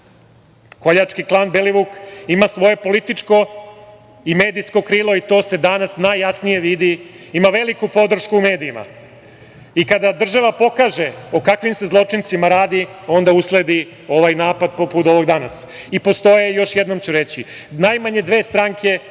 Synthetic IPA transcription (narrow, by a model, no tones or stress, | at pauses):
ko̞ʎat͡ʂkiklˠaːnbeliʋukimasʋo̞je̞po̞lit̪it͡ʂko̞ | imeːd̪ijsko̞kɾiːlˠoit̪o̞ːse̞d̪anasnajːasnije̞ʋid̪i | imaʋe̞likupo̞d̪r̩ʃkuume̞ːd̪iːma̰ | ikad̪ad̪r̩ʒaʋapo̞kaʒe̞okakʋimse̞zlˠo̞t͡ʂint̪simaɾaːd̪io̞nd̪auslˠed̪i | o̞ʋajnaːpad̪̚poput̪o̞ʋo̞ɡd̪anas | ipo̞st̪o̞jejo̞ʃjed̪no̞mt͡ɕuɾet͡ɕinajmaɲe̞d̪ʋeːst̪ɾaŋkʰe̞